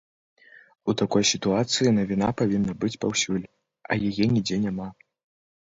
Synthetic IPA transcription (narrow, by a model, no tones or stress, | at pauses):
ut̪akɔjsʲit̪uat̪sɨjinɐvʲinapavʲinːɐbɨt͡sʲpawsʲulʲ | ɐ̰jajɛnʲid͡zʲɛnʲama